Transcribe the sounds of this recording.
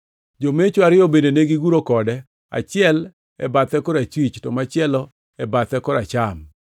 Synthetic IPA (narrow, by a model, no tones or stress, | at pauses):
d͡ʒomet͡ʃoaɾɪɔbendeneɡiɡuɾokɔdɛ | a̰t͡ʃɪɛl | ɛ̰bat̪ɛkɔɾat͡ʃwit͡ʃtɔmat͡ʃɪɛlɔ | ɛbat̪ɛkɔɾat͡ʃam